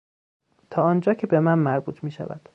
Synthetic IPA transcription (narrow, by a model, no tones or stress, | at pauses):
t̪ʰɒːɒːnd͡ʒɒːcʰe̞bemænmæɾbuːt̪ʰmiːʃæ̰væ̰d̪̥